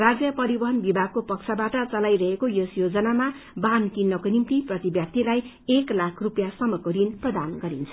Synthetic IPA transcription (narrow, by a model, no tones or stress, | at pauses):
rad͡zjʌpʌɾibʌɦʌnbibʱaɡ̚kopʌk̚sʰabaʈʌt͡sʌlajɾʌɦekojosjod͡zʌnama | bankinːʌkonimt̪iprʌt̪ibjʌp̚t̪ilaj | eklakʰrupjasʌmʌkoɾinprʌd̪anɡʌɾint͡sʰʌ̥